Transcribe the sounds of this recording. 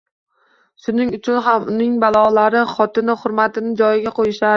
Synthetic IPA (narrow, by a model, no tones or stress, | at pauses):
ʃʊnɪŋʊt͡ʃʰʊnɦamʊnɪŋbalˠɒlaɾɪχɒt̪ɪnɪχʊɾmat̪ɪnɪd͡ʒɒjɪɡʲaqʰojɪʃa